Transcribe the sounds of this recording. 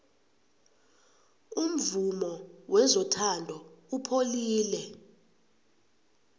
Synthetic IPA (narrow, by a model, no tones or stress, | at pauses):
um̩vumɔwɛzɔtʰandʱɔupʰoliːlɛ